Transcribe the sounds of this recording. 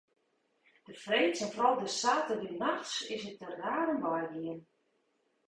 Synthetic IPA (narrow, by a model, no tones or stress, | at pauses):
d̥əfreːtsɛnfrɔlˠdəsaːtədinaxsɪsət̚ərraːrənbɔjɡiən